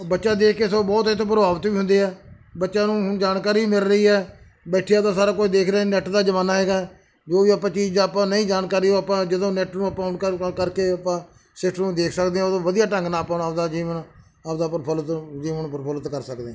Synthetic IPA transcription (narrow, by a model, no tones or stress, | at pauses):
bətːʃãːd̪eːkʰkeːsoːbɔːt̪ɪt̪ʰːõːp̬əɾəbaːʋət̪ʋiːɦʊnd̪eːɦɛː | bətːʃãːnũːɦʊnd͡ʒaːnkaːɾiːmɪlɾəiːɛː | bɛːʈʰijãːt̪ãːsaːɾaːkʊt͡ʃʰd̪eːkʰɾənɛːʈd̪aːd͡ʒəʋaːnːaːɦɛːɡaːɛ | d͡ʒoːʋiːapːãːt͡ʃiːd͡ʒd̪aːpãːnəĩːd͡ʒaːnkaːɾiːoːapãːd͡ʒɪd̪õːnɛʈnũːəpãːʊnkəkəɾkeːəpãː | sɪʈnũːd̪eːkʰsəkd̪eːɛ̃ːəd̪õːʋəd̪ijaːʈə̃ŋɡnaːpaːnəpd̪aːd͡ʒiːʋən | əpd̪aːpəɾpʰəlt̪d͡ʒiːʋənpəɾpʰələt̪kəɾsək̚d̪ẽː